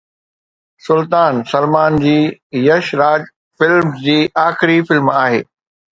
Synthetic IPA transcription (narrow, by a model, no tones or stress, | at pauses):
sʊlt̪aːnsɐlmaːnd͡ʑiːjɐʃɾaːd͡ʑ | fɪlmd͡ʑiːʔaːxɪɾifɪlmaːɦḛː